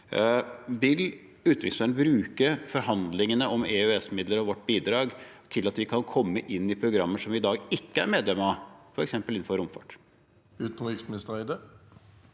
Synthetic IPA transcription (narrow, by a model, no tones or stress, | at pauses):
ʋɪl | ʉːt̪ɾɪ̰ŋsfæːnbɾʉːkəfɔɾɦɑnd̪lɪŋənəʔɔmeøɛsmɪd̪ləɾɔʋɔʈːbiːd̪ɾɑːɡt̪ʰɪlɑt̪ʋɪkʰɑnkʰɔmːəʔɪnːɪpʰɾʊɡɾɑmːəʂɔmɪd̪ɑːɡɪkːəæ̰ɾmeːd̪lɛmɑfɔɾɛksɛmpəlɪn̩ːfɔɾʊmfɑ̰ʈ | ʉːt̪n̩ʁɪksmɪnɪst̪ʁæɪd̪ə